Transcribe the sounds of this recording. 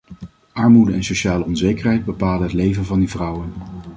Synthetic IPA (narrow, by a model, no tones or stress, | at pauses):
ʔɑɹmudəɛnsoʃaːləɔnzejkərɦɛjd̚bəpaːlənɦətlejvənvɑndivrʌwən